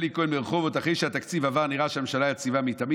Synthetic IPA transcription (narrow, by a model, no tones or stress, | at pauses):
likoelmeʁχovot̪aχejʃeat̪akt͡sivavaʁniʁaʃeamemʃalajat͡sivamit̪ami